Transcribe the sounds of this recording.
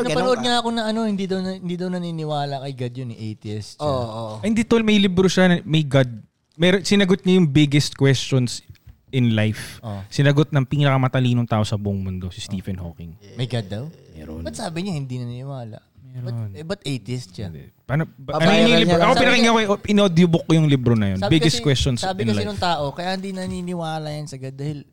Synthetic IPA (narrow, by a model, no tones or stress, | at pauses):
nɐpɐnoʔod̪̚ɲaʔɐkonɐʔɐno̞hɪnd̪id̪ɐwnɐɪnd̪iːd̪ɐwnɐninɪwaːlɐkɐjɡɐd̪jonɪʔejt̪iɛst̪ʃooɐhɪnd̪it̪olmɐjlɪbɾoʃanɐmɐjɡɐd̪̚ | mɛːɾonsɪnɐɡot̪̚ɲɐjʊŋbɪɡɛst̪̚kwɛst͡ʃons | ɪnlajfosɪnɐɡot̪̚nɐŋpiːnɐkɐmɐt̪ɐliːnoŋt̪aːʔo̞sɐbʊʔʊŋmʊnd̪o̞sɪst̪iːfɛnho̰ːkɪŋmɐjɡɐd̪ːɐwmɛ̰ːɾonbɐt̪saːbɪɲohɪnd̪inɐninɪwaːlɐ̰ʔmɛɾɐonbɐt̪ʔejt̪ɪst̪t͡ʃad̪ɛ̰panɐɐnojʊɲʊlɪoʔɐkopɪnɐkɪŋːɐkoɛʔʔɪnod̪jʊbok̚ːojʊŋlibɾonɐjonbɪɡɛst̪kwɛst͡ʃonsaːbɪnɐlanʊŋt̪aːʔokɐjaʔhɪnd̪iːnɐninɪwaːlɐjɐnsɐɡɐd̪ːaːhɪl